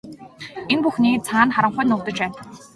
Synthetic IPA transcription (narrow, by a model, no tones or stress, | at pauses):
enpuxniːt͡sʰaːnχaɾə̆ɴχʊjnʊːkt̪ə̆t͡ɕpæːn